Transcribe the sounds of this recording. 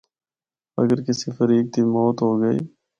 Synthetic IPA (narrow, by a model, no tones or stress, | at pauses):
ə̰ɡəɾkɪsifəɾiːk̚t̪imɔːt̪ɦoːɡəḭː